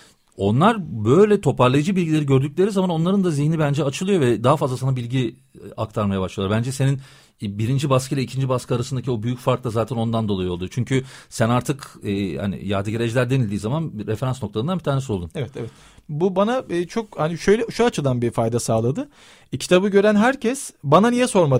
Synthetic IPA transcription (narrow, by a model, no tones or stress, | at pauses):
o̞nlˠaɾbø̞jlʲɛt̪ʰo̞paɾlˠajɯd͡ʒɯbilʲɟilʲe̞ɾiɟø̞ɾd̪ycʲlʲe̞ɾizamano̞nlˠaɾɯnd̪aziçnʲibænd͡ʒɛat͡ʃʰɯlˠɯjo̞vɛd̪aɦafazlˠasanabilʲɟi | a̰k̚t̪ʰaɾmajabaʃlˠɯjˠaɾbænd͡ʒɛse̞nin | biɾind͡ʒibaskʰelʲɛicʰind͡ʒibaskɯaɾasɯnd̪acʰio̞byjycfaɾklˠazaːt̪ʰɛno̞nd̪and̪o̞lˠajɯo̞ld̪ujt͡ʃʰyɲcʰysænaɾt̪ʰɯkɛːha̰nḭjaːd̪ɯɟeɾed͡ʒlʲæɾd̪e̞nilʲd̪iːzamanɾefe̞ɾansnot̪ʰaɯnanbit̪ʰaːɾnesio̞lˠd̪umevɛt̪ʰevɛt̪ | bubanat͡ʃʰo̞khaniʃøjlʲɛʃuat͡ʃʰɯd̪anbifajd̪asaːlˠad̪ɯ | cʰi̥t̪ʰabɯɟø̞ɾænɦæɾcʰɛsbananijɛso̞ɾmad̪